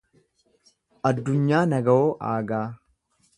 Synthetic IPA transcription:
ʔɐd̪ːʊɲːaːnɐɡɐwoːʔa̰ːɡaː

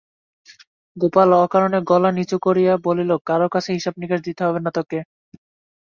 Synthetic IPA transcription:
ɡopalɔkaɾoneɡɔlanit͡ɕukoɾijabolilokaɾokat͡ɕʰeɦiʃabnikaʃd̪it̪eɦɔbenat̪okːe

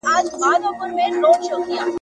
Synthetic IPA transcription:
aːd͡ʒbaːd̪opʊɾmẽloːkʃokija

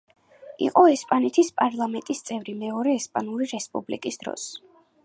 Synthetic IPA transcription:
ḭqʼɔɛspʼanɛt̪ʰispʼaɾlˠamɛnt̪ʼist̪sʼɛvɾimɛɔɾɛːspʼanuɾiɾɛspʼṵblikʼisd̪ɾɔ̰s

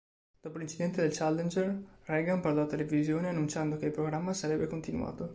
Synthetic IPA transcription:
d̪̥ɔːpolint͡ʃid̪ɛnt̪ed̪elt͡ʃalːend͡ʒerrɛɡamparlɔat̪ːelevizjoːneanːunt͡ʃand̪okeilpɾoɡɾamːasaɾɛbːekont̪inṵwa̰ːt̪o

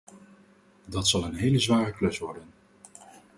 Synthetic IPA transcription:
dɑtsɑlˠənɦejləzʋaːrəklɵsʋɔɹdən

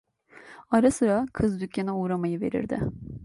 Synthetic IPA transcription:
aɾasɯɾakʰɯzd̪ycʲːanauːɾamajɯve̞̰ɾḭɾd̪ɪ̰

